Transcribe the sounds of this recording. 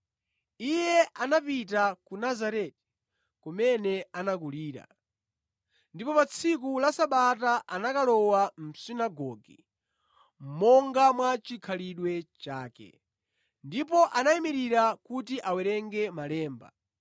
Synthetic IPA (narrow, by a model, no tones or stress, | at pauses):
ijɛʔanapit̬akunazaɾɛti̥ | kumɛnɛanak̬uliːɾa̰ | ndipɔpat͡sʰik̬ulasaɓataʔanakalɔwam̩sinaɡɔɡḭ | m̩mɔŋɡamwat͡ʃikʰaliɗwɛt͡ʃaːkɛ̰ | ndipɔʔanaimiɾiɾakutiʔawɛɾɛŋɡɛmalɛːmba̰